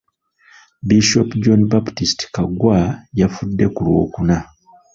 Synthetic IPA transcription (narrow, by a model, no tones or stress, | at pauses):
biʃopd͡ʒonbaptistkaɡwajafudːe̞kuɾwo̞̰ːkuna